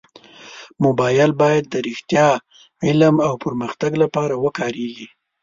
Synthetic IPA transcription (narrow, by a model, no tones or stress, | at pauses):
mobɑjɪlbɑjad̪̚ːəɾɪxt̪jɑ | ɪlamawpəɾməxt̪aɡlapɑɾawəkɑɾeɡi